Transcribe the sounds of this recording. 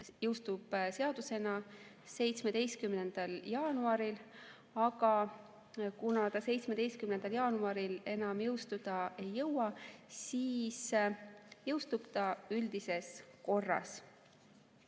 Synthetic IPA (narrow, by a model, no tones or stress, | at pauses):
jɤwst̪ub̥seɑd̪̥use̞nɑ | se̞jt̪sme̞d̪̥e̞jst̪̚kymne̞nd̪̥ɑljɑːnuɑɾil | ɑɡɑ | kunɑt̪ɑse̞jt̪sme̞d̪e̞jst̪̚kymnend̪̥ɑljɑːnuɑɾile̞nɑmjɤwst̪ud̪̥ɑʔe̞jːɤwɑsiːs | jɤwst̪ub̥t̪ɑyld̪̥ise̞sko̞rːɑ̰s